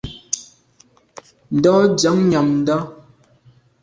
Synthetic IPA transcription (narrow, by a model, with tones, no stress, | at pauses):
n̩˨dɔ˦d͡ʒə˨˦ŋɲa˨mn̩˦dɔ˦